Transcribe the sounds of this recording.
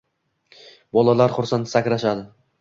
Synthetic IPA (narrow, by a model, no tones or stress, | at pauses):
bɒlˠalaɾχʊɾsant̪sakʲɾaʃad̪ɪ